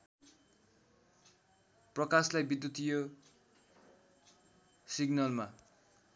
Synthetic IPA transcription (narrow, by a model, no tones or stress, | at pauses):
prʌkaslajbid̪jut̪ijo | siɡnʌlma